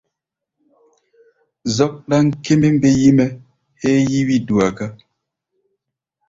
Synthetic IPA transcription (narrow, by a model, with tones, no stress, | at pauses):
zɔ˦k̚ɗa˦ŋ̩˦ke˦me˦m˦be˦ji˦mɛ˦ | he˦ji˦wi˦du˨a˨ɡa˦